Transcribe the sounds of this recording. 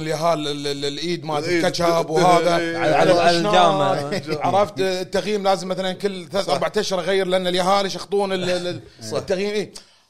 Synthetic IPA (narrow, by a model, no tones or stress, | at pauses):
nəljaɦaːlɪllʔiːd̪madlkat͡ʃabwhaːðaʕaʕalaaʃlnaaːaʕɑɾˤɑft̪t̪ːaɣjiːmlaːzɪmːaθalankɪlːθaʔɑɾbaʕt̪aʃɾˤɣajːɪɾlɪʔanːaljaɦaːliʃɑxt̪ˤuːnɪl | tt̪ːaɣjiːmʔiː